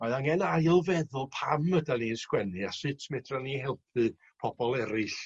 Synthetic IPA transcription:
maɨðaŋɛnajəlˠvɛðʊlˠpʰamədaninskwɛnɨasɨtʰmɛdranihɛlˠpʰɨ | pʰɔb̥ɔlˠɛɾɨɬ

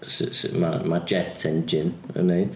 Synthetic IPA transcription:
ssma̰mad͡ʒɛtʰɛ̃nd͡ʒɪnə̰ne

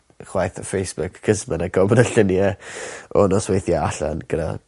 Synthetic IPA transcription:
χwajθafejsb̥ʊkʰːəzmənaɡɔbənəɬənjɛɔnɔswejθjaaɬa̰nɡ̥əda̰

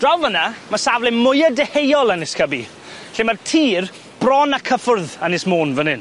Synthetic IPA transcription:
d̥rawvənamasavlˠɪnmʊjədɛhejɔlˠənɪskʰəbḭ | ɬimartʰiːr | b̥rɔnakʰəfʊrðanɪsmoːnvənɪn

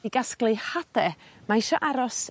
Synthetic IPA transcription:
iɡasklˠɨhad̥ɛmaɪʃɔʔaɾɔs

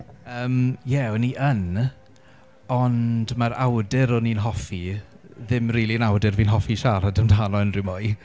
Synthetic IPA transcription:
əːmjɛɔniʔən | ɔndmaɾa̰wdɪɾɔninɦɔfi | ðɪmriːlˠiənawdɪrviːnɦɔfiʃaɾadəmdʰanɔənrɪmɔj

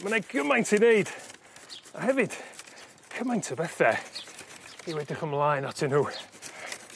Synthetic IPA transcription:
mənaɡəmajntʰineɨd̥ | ahɛvɨd̥ | kʰəmajntʰəbɛθɛ | iwɛdɪχəmlˠajnatʰɪnhuː

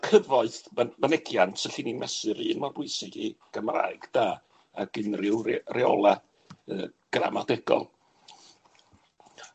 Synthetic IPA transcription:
kʰəvɔɨθmamanɛɡjantʰəɬinimɛsɨɾɨːnmarbʊɨsɪɡiɡ̥əmra̰ɨɡ̥d̥aː | aɡ̥ɪnrɪwrrɛɔlˠa | əɡ̥ra̰madɛɡɔ̰lˠ

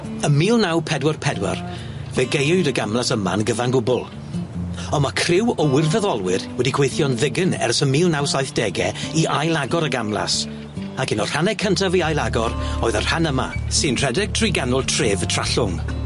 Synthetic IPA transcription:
əmiːlˠnawpʰɛdwɛrpʰɛdwɛ̰r | vɛɡejɨdəɡamlˠasəma̰nɡəvanɡʊbʊlˠ | ɔnmakʰrɪwɔwɪrvɛðɔlˠwɪrwɛdiɡʰwejθjɔnðɪɡənɛ̰rsəmiːlˠnawsajθd̥ɛɡɛiʔajlˠaɡɔɾəɡamlˠa̰s | akɪnɔr̥anɛkʰəntʰaviajlˠaɡɔɾoːɨðərhanəma̰sɨnr̥ɛdɪk̚tʰriɡanʊlˠtʰreːvətʰr̥aɬʊŋ

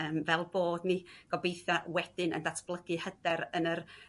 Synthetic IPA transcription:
əːmvɛlˠboːdniɡ̥ɔbejθawɛd̥ɪnə̰ndatʰb̥lˠəɡɨhədɛɾənər

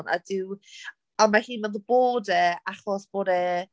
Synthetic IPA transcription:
na̰dɪw | anmahiːnmɛnðəboːdɛaχɔsb̥oːdɛ

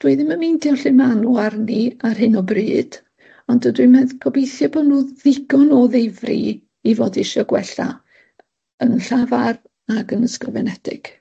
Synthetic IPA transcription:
d̥wiɨðɪməmindiɔɬɪmanuarniarɦɨnɔbrɨːd̥ | ɔndədwimɛðkʰɔbejθjɔbɔdnuːðɪɡ̥ɔnɔðevrḭ | ivoːdɪʃɔɡwɛ̰ɬa̰ | ənɬavar | aɡənəskɔvɛnɛdɪ̰ɡ̥

